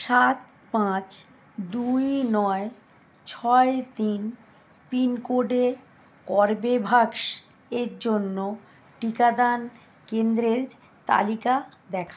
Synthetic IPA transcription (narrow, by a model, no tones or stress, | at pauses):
ʃat̪̚ | pãt͡ɕ | d̪ujnɔe | t͡ɕʰɔet̪in | pinkoɖe | kɔɾbebʱaɡʃ | eɾd͡ʑonːo | ʈikad̪an | kend̪ɾeɾ | t̪a̰likad̪ɛkʰa